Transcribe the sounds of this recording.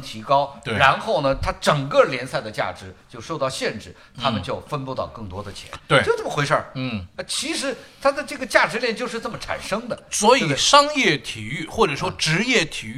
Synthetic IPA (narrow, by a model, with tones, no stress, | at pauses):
t̪ʰi˧˥kɑ˥ʊt̪e˥˧˩ɻa˧˥nxo˥˩ʊnə˩t̪ʰa˥ʈ͡ʂɤ˨˩ŋkə˥˧ljɛ˧˥nsa˥˩ɪd̪ə˩t͡ɕja̰˥˩ʈ͡ʂɻ̩˧˥t͡ɕjo˥˧ʊʂo˥˧ʊt̪ɑ˥˧ʊɕjɛ˥˧nʈ͡ʂɻ̩˥˩ | t̪ʰa˥mə˨nt͡ɕjo˥˩ʊfə˥npɔ˥˧t̪ɑ˥˩ʊkɤ˥˩ŋt̪wɔ˥d̪ə˨t͡ɕʰjɛ̰˧˥nwe˥˩t͡ɕo˥˧ʊt͡sə˥˩mə˩xwe˧˥ɪʂə˞˥˩˥ə˥˩t͡ɕʰi˧˥ʂɻ̩˧˥t̪ʰa˥d̪ə˧ʈ͡ʂɤ˥˩ɡə˩t͡ɕja˥˩ʈ͡ʂɻ̩˧˥ljɛ˥˩nt͡ɕjo˥˧ʊʂɻ̩˥˧t͡sə˥˩mə˩ʈ͡ʂʰa̰˨˩nʂɤ˥ŋd̪ə˨swɔ˧˥i˨˧˩ʂɑ˥ŋjɛ˥˩t̪ʰi˨˩y˥˩xwɔ˥˩ʈ͡ʂə˨˩ʂwɔ˥ʈ͡ʂɻ̩˧˥jɛ˥˩t̪ʰi˨˩y˥˩